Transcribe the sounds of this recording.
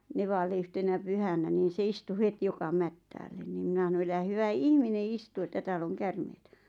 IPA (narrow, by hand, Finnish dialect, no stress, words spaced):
neʋɑlːe yhtenæ pyhænæ niːn̞ se istu het jokɑ mætːæːlːen ni minɑ hɑno elæ hyʋæ ihmine istu etːæ tæːlː oŋ kærmeitæ